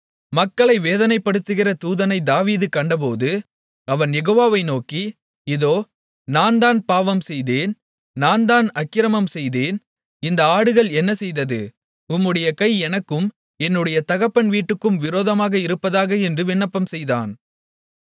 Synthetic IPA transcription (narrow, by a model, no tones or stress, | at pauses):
mɐkːɐɭɐɪʋeːðɐnɐɪpːɐɽɯt̪ːɯɣɪrɐt̪uːðɐnɐɪd̪aːʋiːðɯkɐɳɖɐp̬oːðɯ | ɐʋɐnjɛɣoːʋaːʋɐɪnoːki | ɪðoː | naːnd̪aːnpaːʋɐmsɛjðeːn | naːnd̪aːnɐkːɪɾɐmɐmsɛjðeːn | ɪnd̪ɐaːɽɯɣɐɭɛnːɐsɛjðɐðɯ | ʊmːɯɽɐjɐkɐɪɛnɐkːɯm | ɛnːɯɽɐjɐt̪ɐɣɐpːɐnʋiːʈːɯkːɯmʋɪɾoːðɐmaːɣɐɪɾɯpːɐðaːɣɐɛndrɯʋɪɳːɐpːɐmsɛjða̰ːn